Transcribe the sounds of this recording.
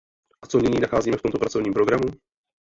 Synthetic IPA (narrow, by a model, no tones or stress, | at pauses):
ʔat͡sonɪɲiːnaxaːziːmɛftomt̪o̞pɾat͡sovɲiːmpɾoɡɾamu